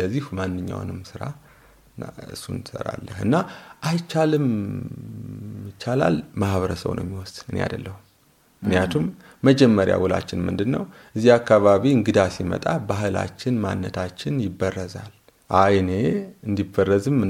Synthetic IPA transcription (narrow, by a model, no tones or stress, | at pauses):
ləzːihmanːɨɲːa̰wnɨmsɨɾa | ɨ̰sːunɨsə̰ɾa̰lːəhɨnːaʔajt͡ʃːalɨm | jɪt͡ʃːala̰lmahβəɾəsə̰wnʔo̰mːiwɔsɨneja̰d̪əlːəhu | ɨknijat̪ʰumː | əd͡ʒɛmːəɾja̰wɔla̰t͡ʃːɪnmɨ̰nd̪ɨnːəwʔɨzːiakːaβaβiɨŋɡɨd̪asimə̰t̪ʼabaɦɨla̰t͡ʃːɪnma̰nːət̪ʰat͡ʃːɪnjɪbːərːəzal | ʔajne̞ɨnd̪ibərːəzɨmɨ